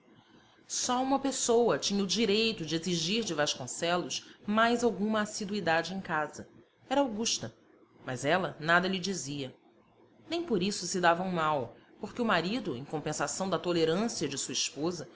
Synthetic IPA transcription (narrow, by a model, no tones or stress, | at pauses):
sɔũmɐpesowɐt͡ʃĩɲɐʊd͡ʒiɾejt̪ʊd͡ʒɪeziʒiɾd͡ʒɪvaʃkõsɛlʊsmajzawɡũmɐːsid̪uid̪ad͡ʒɪẽj̃kazɐ | ɛɾɐawɡuʃt̪ɐ | mɐzɛlɐnad̪ɐʎɪd͡ʒiziɐ | nẽj̃poɾisʊsɪd̪avɐũmawpoɾkɪumaɾid̪ʊḛ̃j̃kõmpẽsasɐ̃w̃d̪ɐt̪oleɾɐ̃siɐd͡ʒɪsuɐiʃpozɐ